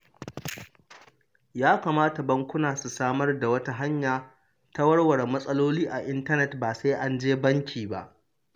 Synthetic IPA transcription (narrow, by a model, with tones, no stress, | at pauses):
jaː˦kaː˨maː˦ta˨bɐ˦ŋkʷʊ˦naː˨su˨saː˦mɐ˦rda˨wɐ˦ta˦ɦa˦ɲjaː˨ | ta˦wɐ˦ɽwɐ˨ɽmɐ˦sʼɐ˦loː˦liː˦ʔa˨ʔɪ˦ntɐ˦nɛ˨tbaː˨sa˦ʔa˦nd͡ʒeː˦bɐ˦ŋkʲʰiː˨ba̰˦ʔ